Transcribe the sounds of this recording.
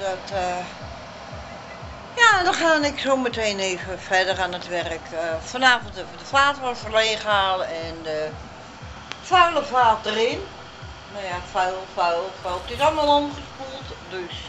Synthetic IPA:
dɔtə | jadɔxaːnɪksoːməteːneːvəfɛdəranətʋɛrəkəfɔnaːvəntədəflaːtərɔfərleːɣəaːlˠəɛndə | fœɥlˠəfaːt̚ərɪn | najafœwlˠfawləfɔwlˠtɪsɔlˠmalˠomχəspulˠtdøs

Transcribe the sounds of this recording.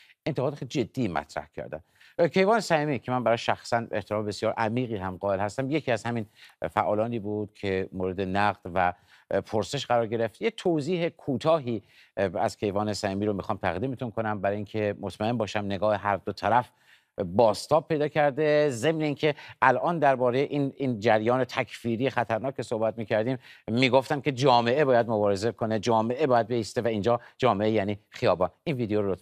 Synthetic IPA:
ent̪eɣɒːd̪exelid͡ʒe̞d̪ːiːmæ̰t̪ʰɾæ̰hcʰæ̰ɾd̪æ̰n | cʰe̞jvɒːnesæimiːcʰe̞mænbæɾɒːʃæxsæneht̪ʰeɾɒːmee̞sjɒːɾʔæmiːɣiːɦæmɢɒːelhæst̪æmjecʰiːæzhæminfæ̰ʔɒːlɒːniːbuːd̪̥cʰe̞moːɾe̞d̪e̞næɢd̪̥væ | pʰoɾse̞ʃɢæɾɒːɾɟe̞ɾe̞ft̪jet̪ʰoziːɦe̞kʰuːt̪ʰɒːɦiː | æ̰z̥kʰe̞jvɒːnesæhiːmiːɾomixɒːmt̪ʰæɣd̪iːme̞t̪ʰunkʰo̞næmbæɾɒiŋcʰe̞mot̪ʰmæe̞mbɒːʃæmne̞ɡɒːheɦæɾd̪ot̪ʰæɾæf | bɒːst̪ɒːb̚pʰːe̞jd̪ɒːkcʰæɾd̪e̞ze̞mneiːncʰe̞ʔælʔɒːnd̪æɾbɒːɾejeʔinind͡ʒæɾjɒːne̞t̪ʰækʰfiːɾijexæt̪ʰæɾnɒːkʰːeso̞hbæt̪̚miːcʰæɾd̪iːmːiːɡo̞ft̪æmkʲe̞d͡ʒɒːme̞ʔe̞bɒːjæd̪mo̞bɒːɾe̞zekʰo̞ne̞d͡ʒɒːme̞ʔe̞bɒːjæd̪̚be̞iːst̪e̞væind͡ʒɒːd͡ʒɒːmeejæniːχijɒːbɒːninviːd̪eoɾo

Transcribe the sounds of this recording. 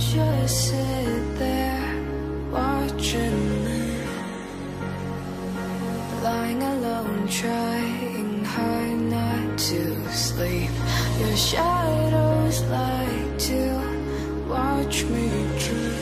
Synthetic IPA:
ʃʌsɪt̪̚ðə˞ | wɑt͡ʃɪ̃ŋi | laɪɪ̃ŋəlõʊ̃ntʰɹ̥aɪɨ̃ŋhaɪnətʰɨ | slipjəʃaɾoʊzlaɪk̚tʰʉ | wɑt͡ʃmi | tʰɹ̥ʉ

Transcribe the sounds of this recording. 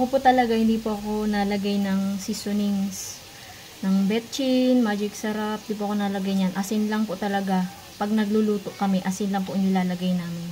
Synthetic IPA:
ʔɐkopʊt̪ɐlɐɡahɪnd̪iːpoʔɐko̞nɐlɐɡajnɐŋsisonɪŋs | nɐŋbɛt̪̚t͡ʃɪnmaːd͡ʒɪk̚sɐɾap̚d̪ip̬oɐko̞nɐlɐɡajɲanʔɐsɪnlɐŋpot̪ɐlɐɡa | pɐɡ̚nɐɡ̚luluːt̪oʔkɐmɛʔɐsɪnlɐŋpoʔɪŋɪlaːlɐɡajnaːmɪn

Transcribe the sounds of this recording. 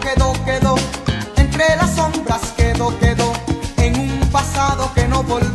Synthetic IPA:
keðokeðoent̪ɾelasõmbɾaskeðokeðoeŋumpasaðokenoβol

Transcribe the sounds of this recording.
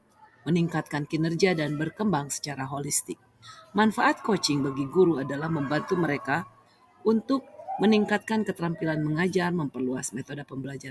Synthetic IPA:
məniŋkat̪̚kankinərɡiadanbərkəmbaŋsə̥t͡ʃaɾaɦolist̪ɪk̚ | manfaʔat̪̚kot͡ʃɪŋbaɡiɡuɾuadalahməmbant̪uməɾeka | unt̪ʊk̚məniŋkat̪̚kankət̪əɾampilanməŋad͡ʒarməmpərluasmet̪odapəmbəlad͡ʒaɾ

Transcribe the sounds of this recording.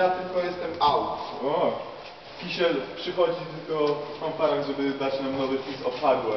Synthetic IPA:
at̪ɘlkɔjɛst̪ɛmawtɔ | pʲiɕɛlpʂɘxɔd͡ʑit̪ɘlkɔkɔ̃mpaɾaŋʐɛbɘd̪at͡ɕnamnɔvɘfʲisɔpaɡ̪wɛ

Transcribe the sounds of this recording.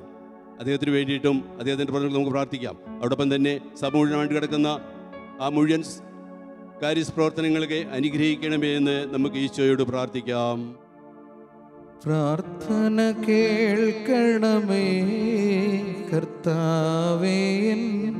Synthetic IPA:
ɐd̪ːeːhɐt̪ːinɨʋe̞ːɳɖiʈːumɐd̪ehɐt̪̬ːindeprɐt̪nkːnɐmukːɨpraːrt̪ʰikʲːa̰ːmɐʋiɽopːɐmt̪ɐnːe̞sɐbɐmuɻiɐnɐmaːjɳɖɨkɐɽɐkːunːɐ | aːmuɻijɐns | kaːɾjɐsprɐʋɐrt̪ʰɐnɐŋːɐɭkːeʔɐnuɡɾɐhikʲːɐɳɐmenːɨnɐmːukːɨiːst͡ɕːoːjoɽɨpraːrt̪ʰikʲːaːm | praːɾt̪ʰɐnɐkeɭkɐɳɐme | kɐrt̪ːaːʋejen

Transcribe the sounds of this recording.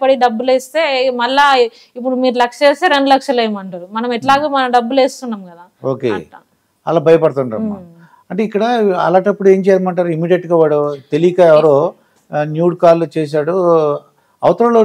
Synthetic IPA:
pɐɽiɖɐbːuleːst̪eːmɐlːaː | ip̬ːuɽumiːɾulɐkʂeːst̪eːɾeɳɖulɐkʂɐlɐjmɐɳʈaːɾumɐnɐmɛʈlaːɡaːmɐnɐmɖɐbːuleːst̪unːaːmkɐd̪aːoːkḛ | ɐlaːbʱɐjɐpɐɽt̪uɳɖa̰ːma̰ː | ɐɳʈeikːɐɽɐɐ̰laːʈɐpːuɽue̞ːɲt͡ʃɛjaːɾmaːɳʈaːɾuimiːɖijɐʈɡaːʋaːɽut̪elijkaːɛʋɐɾoː | njuːɖkaːlut͡ʃeːs̬aːɽu | ɐ̰ʋɐt̪ɐɾɐloː

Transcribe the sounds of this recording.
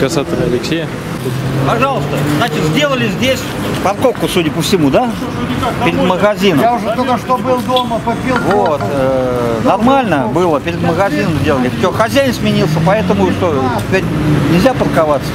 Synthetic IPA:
kɐsat̪ʲɪlʲɐlʲɪksʲejə | pɐʐɑlˠəst̪əznat͡ɕɪt̪zʲdʲe̞lˠəlʲɪzʲdʲesʲ | pɐrko̞fkʊsudʲəpəfsʲɪmud̪a | pɪɾʲɪd̪məɣɐzʲinəjaʊʐd̪ɐɐʂt̪obɨlˠd̪oməpəpʲilˠvot̪ənɐrmalʲnəbɨlˠəpʲɪɾʲɪd̪məɣɐzʲinəmzʲdʲelˠəlʲɪt͡ʃʲoxɐzʲæjɪnsʲmʲɪnʲilˠsʲəpɐɛt̪əmʊist̪oɪtʲɪpʲeɾʲ | nʲɪzʲapərkɐvat̪sːə̥

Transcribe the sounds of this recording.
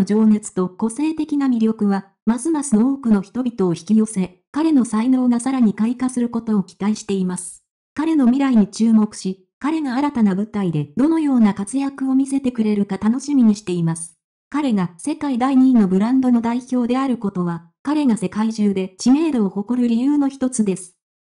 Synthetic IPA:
od͡ʑo̞ːne̞t͡sɨ̥t̪o̞ko̞se̞ːt̪e̞kʲinamʲiɾʲo̞kɯ̟βa | masɨmasɨnooːkɯ̟no̞çi̥t̪o̞bʲit̪o̞ːçi̥kʲijo̞se̞ | kaɾe̞no̞saino̞ːɡasaɾaɲ̟ikaikasɨɾɯ̟ko̞t̪o̞ːkʲi̥t̪aiɕi̥t̪e̞imasɨ̥ | kaɾe̞no̞mʲiɾaiɲ̟it͡ɕɨːmo̞kɯ̟̥ɕi | kaɾe̞ɡaːɾat̪anabɯ̟t̪aid̪e̞d̪̥o̞no̞jo̞ːnakat͡sɨjakɯ̟o̞mʲise̞t̪e̞kɯ̟ɾe̞ɾɯ̟kat̪ano̞ɕimʲiɲ̟iɕi̥t̪e̞imasɨ̥ | kaɾe̞ɡase̞kaid̪aiɲ̟iːnːo̞bɯ̟ɾãnd̪o̞no̞d̪aiço̞ːd̪e̞aɾɯ̟ko̞t̪o̞β̞a | kaɾe̞ɡase̞kaiʑɨːd̪e̞t͡ɕime̞ːɾoːho̞ko̞ɾɯ̟ɾʲijɯːno̞çi̥t̪o̞t͡sɨd̪e̞sɨ̥

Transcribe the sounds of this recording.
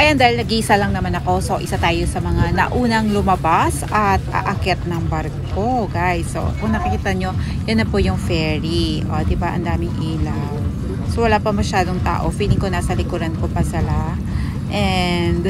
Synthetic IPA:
ʔɐjɐnd̪aːhɪlnɐɡiʔɪsalɐŋnɐmanɐko̞so̞ʔɪsat̪aːjosɐmɐŋanɐ̰ʔuːnɐŋlʊmɐbasʔɐt̪̚ʔɐ̰ʔɐkɛt̪̚nɐŋbɐɾɡko̞ɡajsːo̰kʊŋnɐkɐkiːt̪ɐɲo̞ | jɐnːɐpojʊŋfɛːɹiʔo̰d̪ɪbaʔɐ̰nd̪aːmɪŋʔiːla | w | sowɐlaːpɐmɐʃaːd̪o̞ŋt̪a̰ːʔo̞fiːlɪŋkonaːsɐlɪkuɾɐnkopɐsɪla | ʔɛnd̪

